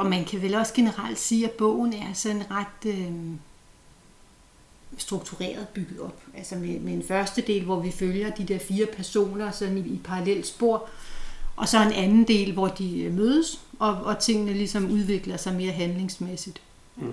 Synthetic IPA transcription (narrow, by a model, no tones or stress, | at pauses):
ɒ̽mænkʰæʋelɒ̽sɡ̥e̝nəʁɑl̰d̥siːæb̥ɔ̰̽ʊ̰n̩æɐsɒ̽ne̝nʁɑ̈d̥ø | sd̥ʁuɡ̥̚t͡sʰuʁḛːɐðˠb̥yɡ̥ð̩ˠɒ̽b̥ælsɐmemeenfɶɐsd̥əd̥e̝̰ːlʋɒʋiføljɐd̥id̥e̝ɐ̰fiːɐpʰæɐso̝̰ːnɐsɒ̽nniipʰɑ̈ʁɑ̈lel̰d̥sb̥o̝ɐ̰ʔɒ̽sɒ̽enʔænn̩d̥e̝̰ːlʋɒd̥imøːð̞ˠəsɒ̽ɒ̽t͡sʰe̝ŋ̰nəlisɒ̽muð̞ˠʋe̝ɡ̥lɐsɑ̈ɪme̝ːɐɦænle̝ŋsmesid̥